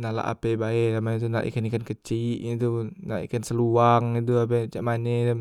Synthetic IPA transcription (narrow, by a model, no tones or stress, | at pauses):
nala̰ʔa̰pejbaedamat̪una̰ʔḭkanikankət͡ʃiʔɲit̪̬una̰ʔḭkansəluaŋit̪̬uap̬et͡ʃaʔmaneda